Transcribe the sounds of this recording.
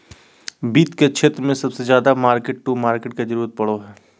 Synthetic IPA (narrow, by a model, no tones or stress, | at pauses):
biːt̪ket͡ʃʰeːt̪ɾəmẽsɐbsezjaːd̪amaːɾkeʈʈuːmaːɾkeʈ̚ked͡ʒɐɾuːɾət̪̚pɐɽoɦɛː